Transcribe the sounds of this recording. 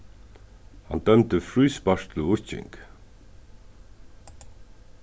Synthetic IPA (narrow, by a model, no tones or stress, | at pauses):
hɑ̰nd̪œmt̪əfɾyːspɑr̥t̪lʊʊ̥t͡ɕɪ̰ŋk